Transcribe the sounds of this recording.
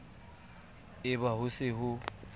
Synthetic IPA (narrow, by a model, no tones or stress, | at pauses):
ɪbahʊsɪɦʊ